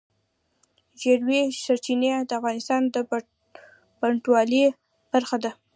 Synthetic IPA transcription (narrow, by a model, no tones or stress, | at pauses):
ʒeɽwesaɾt͡ʃinad̪əafɣɑnɪst̪ɑnd̪ə | paɳʈwɑle | b̥aɾxad̪a